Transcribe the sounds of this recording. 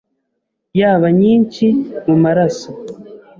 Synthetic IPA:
jaːβaɲiːɲt͡ʃimumaɾaso

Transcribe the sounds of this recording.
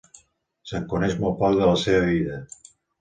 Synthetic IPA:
səŋkunɛʃmolˠpɔk̚ðələseβəβiðə

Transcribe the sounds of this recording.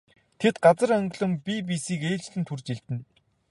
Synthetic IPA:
t̪ʰet̪ɢat͡sə̆ɾœŋɡ̆ɮɵ̆mpipisiːkeːɮt͡ɕɮɘ̆nt̪ʰurt͡ɕiɮt̪ɘ̆n

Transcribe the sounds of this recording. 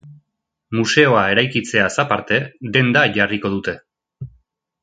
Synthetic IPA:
muse̞o̞ae̞ɾajkit͡se̞asapaɾt̪e̞ðe̞nd̪aʝariko̞ðut̪e̞

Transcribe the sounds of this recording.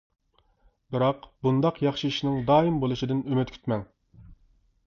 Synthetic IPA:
bɨɾɑqbund̪ɑqjɑχʃiiʃnɪŋd̪ɑːimbolˠɨʃid̪ɪnymyt̪kʲʰy̥t̪mɛŋ

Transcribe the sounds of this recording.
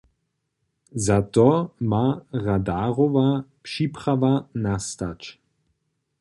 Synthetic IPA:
zat̪ɔmaʁad̪aːʁɔvapʃiːpɾavanast̪at͡ʃ

